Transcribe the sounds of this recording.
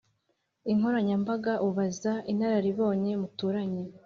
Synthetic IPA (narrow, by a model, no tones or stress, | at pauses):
iŋhoɾaɲambaɡaʔuβazaʔin̥aɾaɾiβo̞ːɲemutuːɾaɲe